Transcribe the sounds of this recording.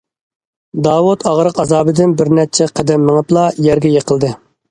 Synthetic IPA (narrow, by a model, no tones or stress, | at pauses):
d̪ɑːwut̪ʰɑʁɾəqɑzɑːbɨd̪ɪnbɪɾnɛt͡ʃʰɛqʰɛd̪ɛmːəŋɨplˠɑjɛɾɡʲɛjeqʰəlˠd̪ɨ